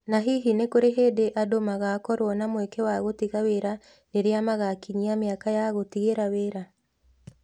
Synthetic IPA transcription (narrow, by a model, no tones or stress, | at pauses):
naɦiɦinekoɾeɦedeʔadomaɣakɔɾwɔnamwɛkɛwaɣotiɣaweɾa | neɾeamaɣakiɲiameakajaɣotiɣeɾaweːɾa